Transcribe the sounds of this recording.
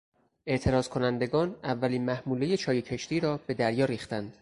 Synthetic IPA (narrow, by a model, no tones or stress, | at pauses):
ʔe̞ʔt̪ʰe̞ɾɒːzkʰo̞nænd̪e̞ɡɒːnævːæliːnmæhmuːleje̞t͡ʃʰɒːjecʰe̞ʃt̪iːɾɒːb̥e̞d̪æɾjɒːɾiːxt̪ænd̪̥